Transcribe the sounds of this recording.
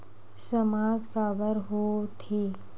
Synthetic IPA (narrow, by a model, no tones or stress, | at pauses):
səmaːd͡ʒkaːbəɾɦot̪ʰeː